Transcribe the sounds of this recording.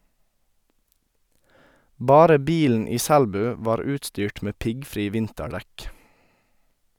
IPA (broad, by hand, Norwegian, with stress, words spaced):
ˈbɑːɾə ˈbiːln̩ ˈiː ˈsælbʉː ˈʋɑːɾ ˈʉːtstyːʈ ˈmeː ˈpɪɡˌfɾiː ˈʋɪntəˌɖɛk